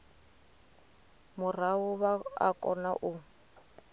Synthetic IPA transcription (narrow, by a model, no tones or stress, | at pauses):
mʊrawʊβaa̰kʼɔ̰naʔʊ